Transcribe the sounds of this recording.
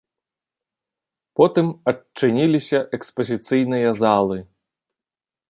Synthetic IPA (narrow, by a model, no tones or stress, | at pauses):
pɔt̪ɨmɐɨnʲilʲisʲɐʔɛkspɐzʲit̪sɨjnɨjɐzalˠɨ